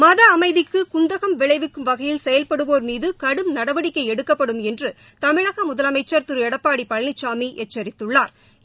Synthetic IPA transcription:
mɐðɐːmɐɪðɪkːɯkʊnd̪ɐɣɐmʋɪɭɐɪʋɪkːɯmʋɐɣɐjɪlsɛjɐlpɐɽɯʋoːɾmiːðɯkɐɽɯmnɐɽɐʋɐɽɪkːɐɪɛɽɯkːɐpːɐɽɯmɛndrɯ | t̪ɐmɪɻɐɣɐmʊðɐlɐmɐɪt͡ʃːɐɾt̪ɯɾɯɛɽɐpːaːɽipːɐɻnɪt͡ʃːaːmiʔɛt͡ʃːɐɾɪt̪ːɯɭːaːɾ

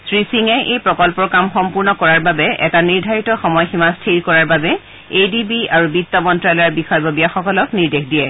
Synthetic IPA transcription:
sɹisiŋɛʔejpɹɔkɔlpɔkamxɔmpuɹnɔkɔɹaɹbabɛʔɛtaniɹdʱaɹitɔxɔmɔjximastʰiɹkɔɹaɹbabɛ | ejdibiaɹubitːɔmɔntɹalɔjaɹbixɔjbobijaxɔkɔlɔkniɹdexdijɛ

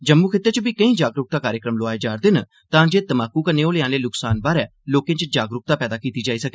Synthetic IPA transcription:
d͡ʒəmːukʰɪt̪ːət͡ʃəbiːkəĩːd͡ʒaːɡɾʊk̚t̪aːkaːɾjəkɾəmloaːed͡ʒaːɾd̪ɪːnə | t̪ãːd͡ʒeːt̪əmaːkːuːkəneːoːleãːleːlʊksaːnbaːɾɛːloːkẽːt͡ʃd͡ʒaːɡɾʊk̚t̪aːpɛːd̪aːkiːt̪iːd͡ʒaːiːsəkeː

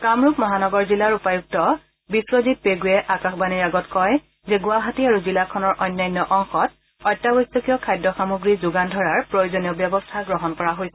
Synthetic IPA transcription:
kamɹupmɔɦanɔɡɔɹzilaɹupajuk̚tɔ | biswozit̚peɡujɛʔakaxbaniɹaɡɔtkɔj | zɛɡʊaɦatiaɹuzilakʰɔnɔɹʔɔjnːajnːjɔʔɔŋxɔt̚ | ɔjtːabɔjsɔkijɔkʰajdːɔxamuɡɹizuɡandʱɔɹaɹpɹojozɔnijɔbjɔbɔstʰaɡɹɔɦɔnkɔɹaɦojsɛ

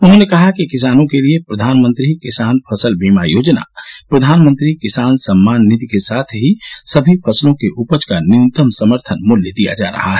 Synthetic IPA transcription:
ʊnɦõnekɐɦakikɪs̬aːnõkeliepɾəd̪ʱaːnmə̃nt̪ɾikɪsaːnpʰəsəlbimajoːd͡ʒna̰pɾəd̪ʱaːnmə̃nt̪ɾikɪsaːnsəmːaːnːɪt̪ikesaːt̪ʰɦisəbʱipʰəslõkeʔupəd͡ʒkanɪnt̪əmsəməɾt̪ʰənmʊljəd̪ija̰d͡ʒa̰ɾɐ̰ɦa̰ɦɛ

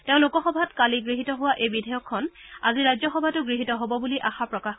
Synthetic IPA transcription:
teʊ̃lukɔxɔbʱatkaliɡɹiɦitɔɦʊwaʔejbidʱɛjɔkʰːɔnaziɹajzɔxɔbʱatʊɡɹiɦitɔɦobɔbuliʔaxapɹɔkax

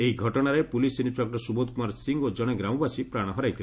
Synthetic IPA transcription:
eɦiɡʱɔʈɔɽ̃aɾepulisinit͡ʃakɾɔsubod̪kumaɾsiŋɡod͡ʒɔɽ̃ɔɡɾamɔbasipɾaɽ̃ɔɦɔɾajt̪ʰil

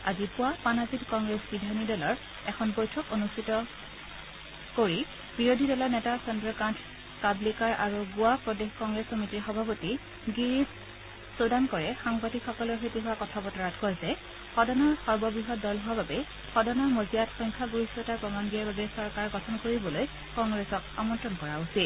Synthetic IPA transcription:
azipʊwapanazitkɔŋɡɹesbidʱanidɔlɔɹ | ɛkʰɔnbɔjtʰɔkonustʰitɔ | koɹi | biɹodʱidɔlɔɹnɛtasɔndɹɔkantʰ | kablikaɹʔaɹuɡʊwapɹɔdexkɔŋɡɹesɔmitiɹxɔbʱapoti | ɡiɹis | sodankɔɹɛxaŋbatikxɔkɔloɦetiɦʊwakɔtʰapɔtɔɹatʰkɔjsɛ | xɔdɔnɔɹxɔɹbɔbɹiɦɔt̚dɔlɦʊwababɛ | xɔdɔnɔɹmozijatxɔjŋkʰaɡuɹisɔtaɹpɹɔmanɡiaɹbabɛsɔɹkaɹɡɔtʰɔnkoɹibɔloj | kɔŋɡɹɛsɔka̰mɔntɹɔnkɔɹausit̚

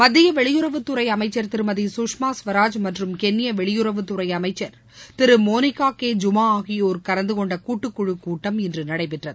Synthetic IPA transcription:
mɐd̪ːɪjɐʋɛɭɪjɯɾɐʋɯt̪ːʊɾɐɪɐmɐɪt͡ʃːɐɾt̪ɪɾɯmɐðisuːʂmaːsʋɐɾaːd͡ʒmɐʈrɯmkɛnːɪjɐʋɛɭɪjɯɾɐʋɯt̪ːʊɾɐɪɐmɐɪt͡ʃːɐɾ | t̪ɪɾɯmoːnɪkːaːkːeːd͡ʒʊmaːaːɣɪjoɾɯkɐɾɐnd̪ɯkɔɳɖɐkuːʈːɯkːʊɻɯkːuːʈːɐmɪndrɯnɐɽɐɪpɪʈrɐðɯ

